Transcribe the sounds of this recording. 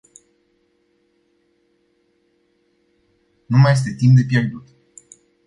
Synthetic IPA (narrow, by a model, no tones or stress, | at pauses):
numaje̞s̬t̪e̞t̪imp̚d̪e̞p̬je̞rd̪ut̪